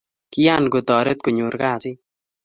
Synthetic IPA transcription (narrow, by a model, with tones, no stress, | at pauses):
kɪ˦ja˦nko˨tɔ˨ɾe˦t̪̚ku˨ɲu˨ɾkaː˦˨sɪ˦